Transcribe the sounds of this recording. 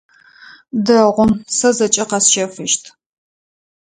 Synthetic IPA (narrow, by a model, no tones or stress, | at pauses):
dɐʁʷʊmsɐzɐt͡ʃʼɐqɐsʃɐfɨʃtʰ